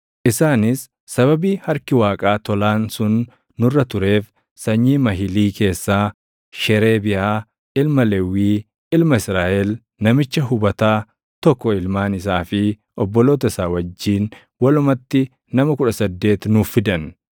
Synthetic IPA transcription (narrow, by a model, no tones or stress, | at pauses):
ʔɪsaːnɪsː | ɐβɐbiːhɐɾkɪwaːkʼaːt̪ɔlaːnsʊnː | ʊrːɐt̪ʊɾe̞ːf | sɐɲːiːmɐɦɪliːke̞ːsːaː | ʃɛɾe̞ːbɪʔaː | ɪlmɐlewiː | ɪlmɐɪsɾaːʔɛl | nɐmɪt͡ʃːɐɦʊbɐt̪aː | t̪ɔkːɔɪlmaːnɪs̬aːfɪ | ʔɔbːɔlo̞ːt̪̬ɐɪsaːwɐd͡ʒːiːn | wɐlʊmɐt̪ːɪ | nɐmɐkʊᶑɐsɐd̪ːe̞ːt̪nʊfɪd̪ɐn